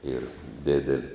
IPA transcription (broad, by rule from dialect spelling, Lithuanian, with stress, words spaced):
iːr ˈdʲɪdʲɛlʲɪ